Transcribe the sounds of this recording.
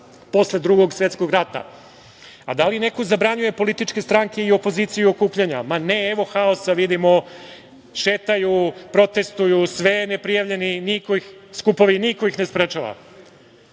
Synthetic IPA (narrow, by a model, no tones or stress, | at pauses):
po̞sled̪ɾuɡo̞ɡsʋet̪sko̞ɡɾat̪a̰ | ad̪aline̞ko̞zabɾaɲuje̞po̞lit̪it͡ʂke̞st̪ɾaŋke̞io̞po̞zit̪sijuokuːpʎaɲamaneeʋo̞xao̞saʋid̪imo̞ | ʃeːt̪ajupɾo̞t̪e̞st̪ujusʋenepɾijaʋʎeninikoix | skupo̞ʋinikoixnespɾet͡ʃaʋa̰